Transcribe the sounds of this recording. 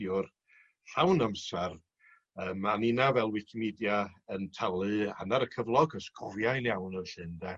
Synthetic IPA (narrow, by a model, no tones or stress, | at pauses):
jʊr | hawnamsɛr | əːmaninavɛlˠwɪkʰimidjaəntʰalˠɨa̰naɾəkʰəvlˠɔɡəskʰɔvjajnjawnɔɬɨndɛ